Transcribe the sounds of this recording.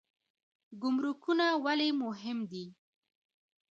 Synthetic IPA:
ɡʊmɾukunawalemʊɦɪmd̪i

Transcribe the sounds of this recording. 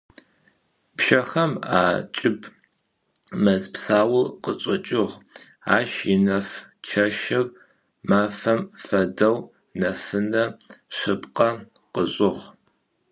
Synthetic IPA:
pʃɐxɐma̰ːt͡ʃʼɪb | mɐzpsaːwʊlqət͡ʃʼɐt͡ʃʼɪʁ | aːʃɪnɐft͡ʃʰɐʃɪr | maːfɐmfɐdɐw | nɐfɨnɐɕɪpqʼɐ | qəɕʼɪʁ

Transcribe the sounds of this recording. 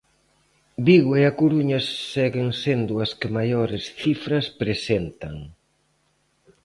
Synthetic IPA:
biɣweakuɾuɲɐsːɛɣɪŋsend̪ʊɐskɪmajoɾɪsθifɾɐspɾesent̪ɐŋ

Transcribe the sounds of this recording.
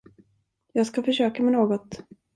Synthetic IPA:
jɑːɡskafœʂøːkamɛnoːɡɔt̪

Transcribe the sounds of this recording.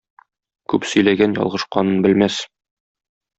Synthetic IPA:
kʉpsɵ̆jlæɡænjɒ̰lˠʁɤ̆ʃqɑnɤnbɘ̆lmæs

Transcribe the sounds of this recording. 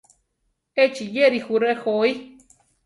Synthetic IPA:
et͡ʃijeɾixuɾexoi

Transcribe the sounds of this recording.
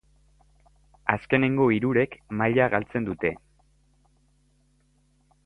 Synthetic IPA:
aske̞ne̞ŋɡo̞iɾuɾe̞kmaʎaɣalt͡se̞nd̪ut̪e̞

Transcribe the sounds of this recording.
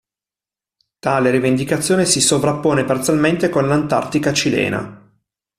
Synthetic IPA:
t̪aːleɾivend̪ikat̪sːjoːnesisovɾapːoːnepart̪sjalment̪ekonlant̪a̰rt̪ikat͡ʃilɛ̰ːna̰

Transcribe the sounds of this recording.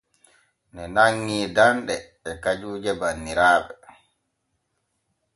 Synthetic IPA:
nɛnaŋːiːdanɗɛː | kad͡ʒuːd͡ʒɛbanːiɾaːɓɛ

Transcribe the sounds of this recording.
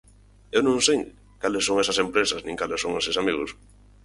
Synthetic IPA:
ewnõŋsej | kalesːõŋesɐsempɾesɐsnĩŋkalesoŋesɪsamiɣʊ̰s

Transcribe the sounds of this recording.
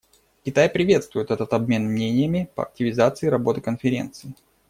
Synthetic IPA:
kʲɪt̪ajpɾʲɪvʲe̞t̪st̪vʊjɪt̪ɛt̪ət̪ɐbmʲe̞nmnʲenʲɪjəmʲɪpə̰ɐ̰k̚tʲɪvʲɪzat̪sɨɪɾɐbo̞t̪ɨkənfʲɪɾʲe̞̰nt̪sɨɪ

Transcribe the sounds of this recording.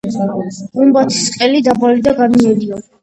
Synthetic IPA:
umbat̪ʰi̥sqʼɛlid̪abalid̪aɡaniɛɾia

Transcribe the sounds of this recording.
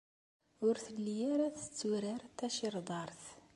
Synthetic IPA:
ʊɾθəlːijæɾæθə̥t͡sːuɾəɾt̪ːæʃiɾˤd̪ˤɑɾˤθ

